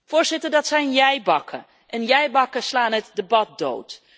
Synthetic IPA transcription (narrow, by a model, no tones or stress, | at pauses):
fʊːɹzɪtəɹdɑtsɛjnjɛjbɑkʰə | ʔɛnjɛjbɑkəslaːnɦətdəbɑt̚do̰wt